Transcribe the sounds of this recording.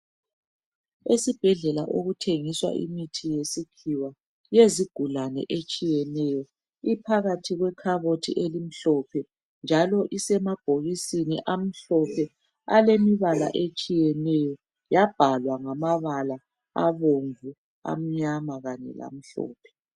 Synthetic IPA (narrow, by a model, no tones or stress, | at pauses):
esib̥ʱɛɮɛlaʔoɣutʰeŋiswa̰ʔḭmitʰijesikʰiwa | jeziɡ̥ʱulanɛ̰ʔet͡ʃʼijɛnɛjɔ | ipʰaɣatʰiɣwɛkʰaβotʰiʔelim̩ɬɔpʰɛ | nd͡ʒʱalɔʔisɛmab̥ʱoɣisinḭʔam̩ɬɔpʰɛ | alemiβala̰ʔet͡ʃʼijɛnɛjɔ | jab̥ʱalwaŋamaβala | aβoɱvu | a̰m̩ɲamaɣaɲɛ̰la̰m̩ɬɔ̰ːpʰɛ̥